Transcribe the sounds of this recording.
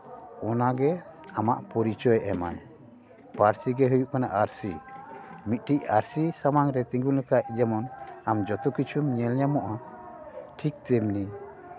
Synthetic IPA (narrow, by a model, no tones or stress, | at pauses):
ɔnaɡɛamaʔpɔɾit͡ʃɔjʔɛma̰j | paɾsiɡɛɦujuʔkanaʔaɾsi | mit̪̚ˀʈic̚aɾsisamaŋɾɛt̪ĩŋɡulɛkaʔd͡ʒɛmɔnamd͡ʒɔt̪ɔkit͡ʃʰumɲɛlɲamɔʔa | ʈʰik̚t̪ɛmni